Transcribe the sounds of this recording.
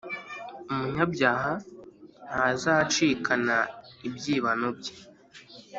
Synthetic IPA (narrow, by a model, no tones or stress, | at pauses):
umuɲabjaːɦa | hazat͡ʃiːkʰanaibjiːβanob̚ɟe